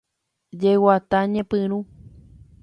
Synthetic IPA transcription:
d͡ʒewat̪aɲẽpɨ̃ɾ̃ũ

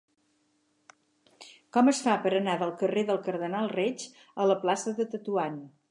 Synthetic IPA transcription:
kɔməsfapəɾənaðəlˠkəreðəlˠkəɾðənalˠred͡ʒ | ələplasəðət̪ət̪uan

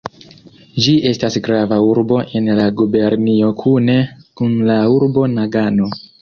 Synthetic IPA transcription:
d͡ʒiʔe̞stasɡɾavauɾbo̞ʔe̞nlaɡube̞ɾnio̞kʰune̞kunlauɾbo̞naɡano

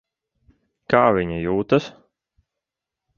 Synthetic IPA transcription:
kaːvʲiɲajuːt̪ɐs

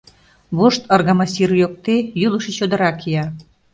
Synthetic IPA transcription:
βoʃt̪ərɣɑmɑsirjok̚t̪ejyləʃet͡ɕod̪ə̆ɾɑkiɑ

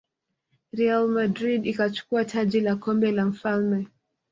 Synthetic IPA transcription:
ɾialmadɾidikat͡ʃu̥kuatʰaʄilakɔmbɛlam̩falmɛ

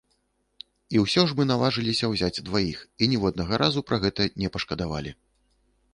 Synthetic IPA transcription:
iwsʲɔʐmɨnalˠaʐɨlʲisʲɐwzʲad͡zʲd̪vajixinʲiwɐd̪̚nɐɣɐɾʔazupɾɐɣɛt̪ɐnʲɛpɐʂkɐd̪ava̰lʲi

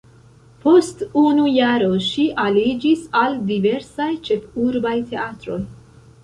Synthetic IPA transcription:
po̞stunujaɾo̞ʃiʔalid͡ʒisaldive̞ɾsajt͡ʃe̞fuɾbajte̞atɾo̞j

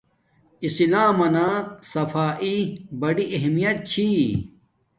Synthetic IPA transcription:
isilaːmɐnaːsɐfaːʔibɐɖiʔɐɦmijɐt̪̚t͡ɕʰi

